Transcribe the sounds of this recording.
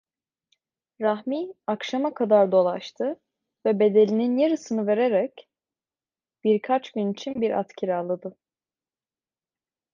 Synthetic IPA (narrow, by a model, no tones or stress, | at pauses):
ɾaɦmiːakʃamakʰad̪aɾd̪o̞lˠaʃt̪ʰɯ | vɛbe̞d̪e̞lʲininjeɾɯsɯnɯve̞ɾeɾɛc | b̥iɾkʰat͡ʃɟynit͡ʃʰinbiɾa̰t̪cʰiɾalˠɯd̪ɯ